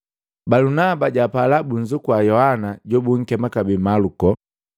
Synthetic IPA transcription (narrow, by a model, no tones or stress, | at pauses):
balunabaɟapalabuɲd͡ʒukuwajɔhanaɟɔbuŋ̩kɛmakabimalukɔ